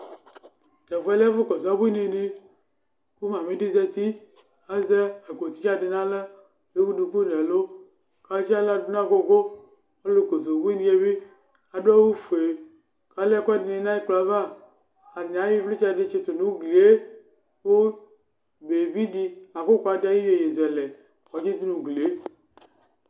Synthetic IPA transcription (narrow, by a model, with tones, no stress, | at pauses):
tɛ˨vɛ˦lɛ˦vʊ˦kɔ˨za˦bne˨ne˦ | ku˦mã˨me˦di˦zɛ˦t̪i˦ | a˦zɛ˦a˨ko˨ti˦t͡ʃa˦dɪ˨nã˦lɛ˦ | le˦wu˦du˨ku˦n˨ɛ˨lo˦ | ka˨˦t͡ʃi˦a˦la˦˨du˦nã˦˨ko˨ɡo˦ | o˦lo˦ko˨zo˨bu˦i˦ni˦je˦bi˦ | a˨ɖo˦wu˦fe˨ | ka˨lɛ˦kɔ˦di˨nĩ˨nã˦ji˦k͡pla˨va˦˨ | a˨i˨a˨˦wi˦fle˦t͡ʃa˦˨ɖe˦t͡ʃe˦t̪o˨nũ˨˦wɡli˨e˦ | wo˦ | be˨vi˦di˦a˨ko˦ko˦a˨da˦ji˦we˨je˨zɛ˨le˨ | wɔ˨d͡ʒi˦t̪u˦nũ˨ɡle˨e˦